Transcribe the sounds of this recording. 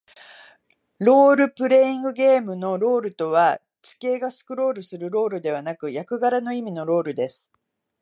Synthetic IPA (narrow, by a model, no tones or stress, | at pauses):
ɾo̞ːɾɯ̟pɯ̟ɾe̞ĩŋɡɯ̟ɡʲe̞ːmɯ̟no̞ɾo̞ːɾɯ̟t̪o̞βa | t͡ɕi̥ke̞ːɡasɨ̥kɯ̟ɾo̞ːɾɯ̟sɨɾɯ̟ɾo̞ːɾɯ̟d̪e̞β̞anakɯ̟jakɯ̟ɡaɾano̞imʲino̞ɾo̞ːɾɯ̟d̪e̞sɨ̥